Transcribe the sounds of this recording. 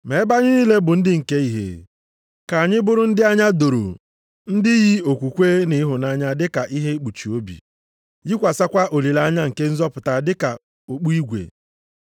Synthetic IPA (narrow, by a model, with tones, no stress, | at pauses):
me˨˦ba˦ɲɪ˦ni˦le˦bʊ˨n̩˦dɪ˦ŋ̩˨ke˦i˨˦ɦḛ˨ | ka˨a˨ɲɪ˦bʊ˦ɾʊ˦n̩˦dɪ˦a˦ɲa˦do˨ɾo̰˨ | n̩˦dɪ˦ji˦o˨kʷu˨kʷe˦nɪ˨˦ɦʊ˨na˦ɲa˦dɪ˦ka˨ʔi˦ɦe˦k͡pu˨t͡ʃi˨o˦bḭ˨ | ji˦kʷa˨sa˦kʷa˦ʔo˨li˨la˦ɲa˦ŋ̩˨ke˦n̩˦zɔ˦pʊ˨ta˨dɪ˦ka̰˨ | o˨k͡pu˦i˦ɡʷḛ˨